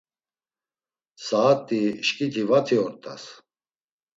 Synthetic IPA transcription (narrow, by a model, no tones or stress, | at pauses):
saːt̪ʼiʃkʼit̪ʰivat͡s̪ʰiɔɾt̪ʰʼa̰s